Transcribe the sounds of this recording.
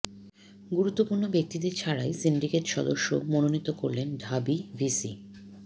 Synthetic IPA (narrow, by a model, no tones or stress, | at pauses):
ɡuɾut̪ːopuɾnobek̚t̪id̪eɾt͡ɕʰaɽaesinɖikeʈʃɔd̪oʃːo̰mononit̪ːokoɾlenɖʱabivʱisḭ